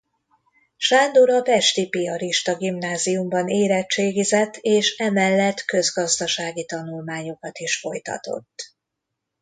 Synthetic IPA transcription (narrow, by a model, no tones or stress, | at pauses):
ʃaːnd̪oɾɒpɛʃt̪ipiɒɾiʃt̪ɒɡimnaːzijumbɒneːɾɛt͡ʃːeːɡizɛt̪ːeːʃɛmɛlːɛt̪kø̞zɡɒzd̪ɒʃaːɡit̪ɒnulmaːɲo̞kɒt̪iʃfo̞jt̪ɒ̰t̪o̞̰t̪ː